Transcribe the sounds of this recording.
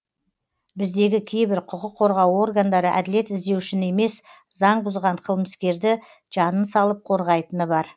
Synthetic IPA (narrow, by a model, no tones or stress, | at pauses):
bɪzd̪e̞ɡʲɪkʲʰe̞jbɪɾqʰʊqəqʰːo̞ɾʁɑwo̞rɡand̪ɑɾəʔæ̰d̪ɪle̞t̪ɪzd̪e̞wɪʃɪne̞me̞s | zɑɴbʊzʁɑɴqʰəlˠməskʲe̞ɾd̪ɪ | ʒ̥ɑnənsɑlˠəp̚qʰo̞ɾʁɑjt̪ənəbɑɾ